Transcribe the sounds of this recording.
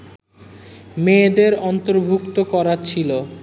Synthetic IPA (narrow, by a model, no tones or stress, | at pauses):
med̪eɾɔnt̪oɾbʱukt̪okɔɾat͡ɕʰilo